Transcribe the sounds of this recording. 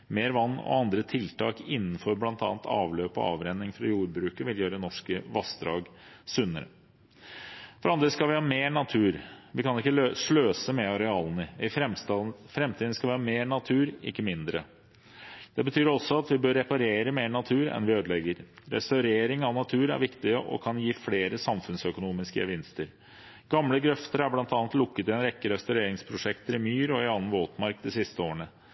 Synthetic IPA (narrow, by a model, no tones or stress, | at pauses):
meːɾʋɑnːɔ̰ɑnd̪ɾət̪ʰɪlt̪ʰɑːkɪnːn̩fɔɾblɑnt̪ɑ̰ːnt̪ʰɑ̰ːʋløːpɔ̰ɑ̰ːʋɾɛnːɪŋfɾɑ̰juːɾbɾʉːkəʋɪljøːɾəɛnɔʂkəʋɑsd̪ɾɑ̰ːɡsʉnːəɾə̰ | fɔɾɑnd̪ɾəskɑlʋɪhɑːmeːɳɑt̪ʰʉːɾʋɪkɑnɪkːəʂløːsəmɛɑɾɛɑːlənəɪ | fɾɛmt̪ʰiːd̪skɑlʋɪhɑːmeːɳɑt̪ʰʉːɾɪ̰kːəmɪnd̪ɾə̰ | d̪̥ɛbət̪ʰyːɾɔsːɔɑt̪ʋɪbøɾːɛpɑɾeːɾəmeːɳɑt̪ʰʉːɾɛ̰nʋɪøːd̪əlɛɡəɾɾɛ̰st̪ɑʉɾeːɾɪŋɑnɑt̪ʰʉːɾæ̰ɾʋɪkt̪ɪəʔɔ̰kʰɑnjiːfleːɾəsɑmfʉnsœkʊnuːmɪskə̰ʋɪnst̪əɾ | ɡ̥ɑmləɡɾœft̪əɾæblɑnt̪ɑnət̪lʊkːət̪ɪɛnɾɛkːəɾɛst̪ɑʉɾeːɾɪŋspʰɾʊʂɛkt̪əɾɪmyːɾɔɪɑnːən̩ʋoːt̪mɑɾk̚d̪ɪsɪst̪əoːəɳə